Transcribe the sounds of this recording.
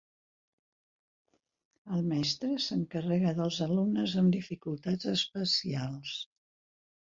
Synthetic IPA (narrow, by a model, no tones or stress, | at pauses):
əlˠmɛst̪ɾəsəŋkərɛɣəðəlˠzəlumnəzəmd̪ifikulˠt̪ad͡zəspəsialˠs